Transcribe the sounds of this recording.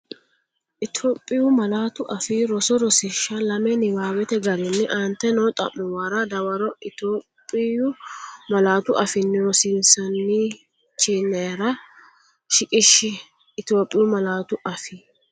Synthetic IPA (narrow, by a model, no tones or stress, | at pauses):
ʔɪt̪ʰoːpʼːɪjʊmɐlaːt̪ʊʔɐfiɾɔsɔɾɔsɪʃːɐlɐmɛnɪwaːwɛt̪ɛɡɐɾɪnːɪʔɐnt̪ɛnɔt̪ʼɐ̰mːʊwɐɾɐd̪ɐwɐɾɔʔɪt̪oːpʼːɪjʊmɐlaːt̪ʊʔɐfɪnːɛwɔsɪnsɐnːiː | t͡ʃiːnːɛɾɐ | ʃɪkʼɪʃːɪː | t̪oːpʼːɪjʊmɐlaːt̪ʊʔɐfɪ